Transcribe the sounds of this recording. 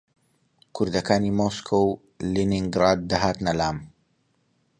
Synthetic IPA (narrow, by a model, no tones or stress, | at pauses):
kʰʊɾd̪ɐkaːniːmoskʰow | liniŋɡɾaːd̪̚ːɐɦaːt̪nɐlaːm